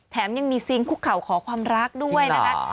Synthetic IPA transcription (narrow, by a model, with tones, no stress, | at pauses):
t̪ʰɛː˩˦mja˧ŋmiː˧si˧ŋpʰuː˥˩kʰa˨˩wkʰɔː˩˦kʰwaː˧mɾa˦˥k̚du˥˩əjna˦˥kʰa˦˥